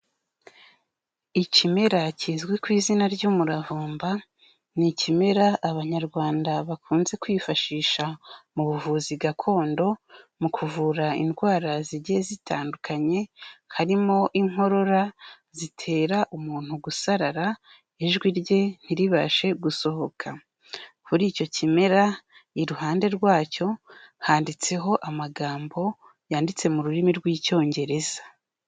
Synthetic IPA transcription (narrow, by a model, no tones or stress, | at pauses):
icime̞ɾaciːzɡwikwiːzinaɾɟuːmuɾavuːmba | nicime̞ɾaːβaɲaɾɡwaːndaβakʰuːnze̞kwiːfaʃiːʃamuβuvuːziɡakʰo̞ːndo̞mukʰuvuɾainɡwaːɾaziɟiezitʰaːndukʰaɲe̞haɾimo̞ʔiŋho̞ɾo̞ɾa | zitʰe̞ːɾaʔumuːn̥uɡusaɾaɾa | iʒɡwiɾɟe̞n̥iɾiβa̰ʃe̞ɡuso̞ho̞kʰa | kuɾiːco̞cime̞ɾa | iɾuɦaːnde̞ɾɡwaːco̞haːndit͡se̞ɦo̞ʔamaɡaːmbo̞ | jaːndit͡se̞muɾuɾimiɾɡwiːco̞ːɲɟe̞ɾe̞z̥a